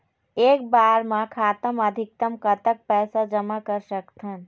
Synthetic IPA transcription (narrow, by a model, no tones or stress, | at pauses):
eːkbaɾmãkʰat̪əməd̪ʱik̚t̪əmkət̪ək̚pɛsad͡ʒəmakəɾsəkt̪ʰən